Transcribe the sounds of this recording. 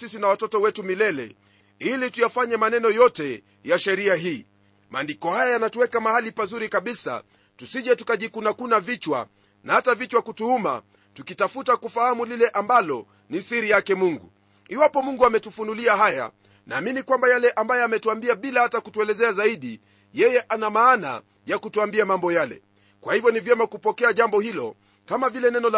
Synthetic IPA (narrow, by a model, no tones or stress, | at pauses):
sisinawatɔtɔwɛtumilɛlɛ̰ | ilitujafaɲɛmanɛnɔjɔtɛ | jaʃɛɾiaɦiː | maːndikɔhajajanatuwɛkamahalipazuɾikaɓisa̰ | tusiʄɛtukaʄikunakunavit͡ʃwa̰ | nahatavit͡ʃwakutuhuma̰ | tukitafutakufahamulilɛʔambalɔ | nisiɾijakɛmuŋɡṵ | iwapɔmuŋɡuamɛtufunuliaɦaja̰ | naːminikwambajalɛʔambajɛamɛtuambiaɓilahatakutuɛlɛzɛazaiɗi | jɛjɛʔanamaːna̰ | jakutuambiamambɔjalɛ̰ | kwahivjɔnivjɛmakupɔkɛaʄambɔhilɔ | kamavilɛnɛnɔl